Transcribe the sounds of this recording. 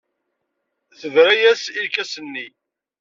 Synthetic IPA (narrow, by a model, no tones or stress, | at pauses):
θəvɾæjæsilkæsənːi